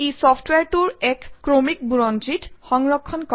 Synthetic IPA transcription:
ejsɔpʰtweaɹtuɹɛkkɹomik̚buɹɔnt͡ʃitxɔŋɹɔkʰːɔnkɔ

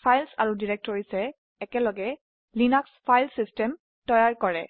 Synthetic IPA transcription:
pʰajlsa̰ɹudiɹɛk̚tɔɹisɛː | kɛlɔɡɛ | linakspʰajlsistɛm | tɔjaɹkɔɹɛ

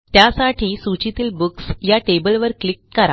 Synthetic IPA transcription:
t̪jasaʈʰiːsut͡ɕit̪iːlbuksjaʈebəlʋəɾklikːəɾa

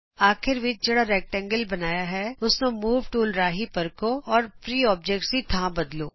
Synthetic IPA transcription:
aːkʰɪɾʋɪt͡ʃd͡ʒɐɽaɾɛːk̚ʈɛ̃ŋɡəlbɐnaːjaɦɛʊsnemuːʋʈuːlɾaːɦipɐɾkoɔːɾpɾiːɔːp̚d͡ʒekʈsit̪ʰãːbɐd̪loː

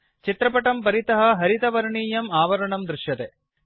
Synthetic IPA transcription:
t͡ʃit̪ɾɐpɐʈɐmpɐɾit̪ɐɦɐ̆ɦɐɾit̪ɐʋɐɾɐɳiːjɐmaːʋɐɾɐɳɐmd̪ɾɪʃjɐt̪e

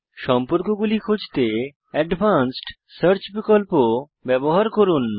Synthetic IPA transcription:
ʃɔmpoɾkoɡulikʰud͡ʑʱt̪e | ɛɖbʱansʈ | səɾt͡ɕpɾikɔlpo | bɛboɦaɾkoɾun

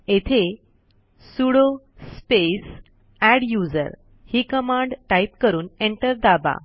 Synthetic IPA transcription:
et̪ʰe | suɽo | spes | æɽjud͡zə̰ɾ | hiːkəmãɳɖʈaip̚kəɾuːneɳʈəɾd̪aba̰

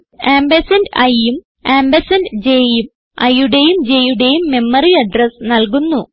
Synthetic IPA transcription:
aːmbɐsɐndɐjum | aːmbɐsɐnd͡ʑejum | ɐ̰juɽe̞jumd͡ʑe̞juɽe̞jumːe̞mːɐriɐɖrɐsnɐlkunːu

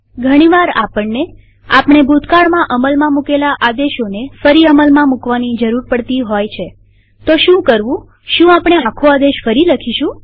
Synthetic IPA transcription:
ɡʱəɽ̃iʋaɾapəɳːe | apɳ̃ebʱut̪kaɭmãʔəməlmãmukelaʔad̪eʃonefəɾiəməlmãmukʋanid͡ʒəɾuɾpəɽt̪iɦojt͡ʃʰe | t̪oʃũkəɾʋũ | ʃũapɽ̃eakʰoad̪eʃfəɾiləkʰiʃũ

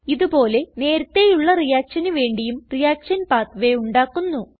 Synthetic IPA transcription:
iðubo̞ːle̞ne̞ːɾɐt̪ːe̞juɭːɐrijaːkʂɐnuʋe̞ːɳɖijumrijaːkʂɐnpaːt̪ʋe̞uɳɖaːkːunːu

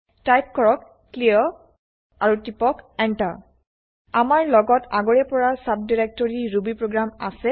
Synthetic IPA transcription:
tajp̚kɔɹɔkːliɔ | aɹutipɔkɛnta̰ | amaɹlɔɡɔtʰaɡɔɹɛpɔɹasap̚diɹɛk̚tɔɹiɹubipɹoɡɹama̰sɛ

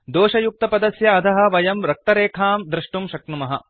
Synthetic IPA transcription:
d̪oːʃɐjuk̚t̪ɐpɐd̪ɐsjɐːt̪ʰɐɦɐ̆ʋɐjɐmɾɐk̚t̪ɐɾeːkʰaːmd̪ɾɪʂʈumʃɐknumɐɦɐ̰

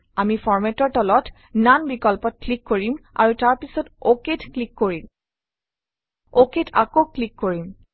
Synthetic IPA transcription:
amifɔɹmɛtɔɹtɔlɔt | nanbikɔlpɔt̚klikːoɹima̰ɹutaɹpisɔtoketklikːoɹim | oketʰa̰koklikːoɹim

